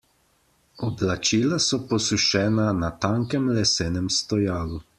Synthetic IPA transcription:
ɔblat͡ʃiːlasɔpɔsuʃɛːnanat̪aːŋkɛmlɛseːnɛmst̪ɔjaːlu

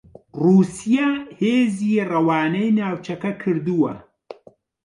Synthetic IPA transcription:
ruːsijaheːziːrɐwaːnɐjnaːwt͡ʃʰɐkɐkʰɨɾd̪uwɐ̰

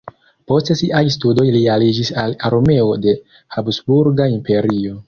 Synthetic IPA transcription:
po̞stesiʔajstudo̞jlialid͡ʒisalaɾome̞o̞de̞ | habsbuɾɡaimpe̞ɾio̞

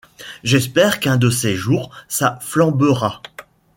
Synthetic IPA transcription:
ʒɛspɛʁkɛ̃d̪əseʒuːʁsaflɑ̃bəʁa

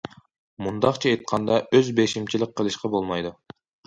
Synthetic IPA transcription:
mund̪ɑqt͡ʃʰɑejt̪̚qʰɑnd̪ɑʔøzbeʃimt͡ʃʰilʲɪk̚qːəlˠɨʃqɑbolˠmɑjd̪u

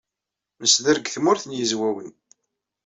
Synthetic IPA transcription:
məsðəɾɡθmʊɾθənjəzwæwən

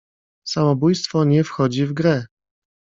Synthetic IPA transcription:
samɔbujst̪fɔɲɛfxɔd͡ʑivɡɾɛ

